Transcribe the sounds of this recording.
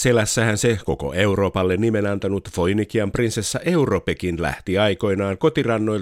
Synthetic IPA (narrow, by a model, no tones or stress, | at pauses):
se̞læsːæhænseko̞̰ko̞̰e̞uro̞ːpɑlːenːime̞nɑnt̪ɑnut̪fo̞jnikiɑmprinsesːæʔe̞uropekinlæ̰ht̪iɑjko̞inɑːŋko̞t̪irɑnːo̞j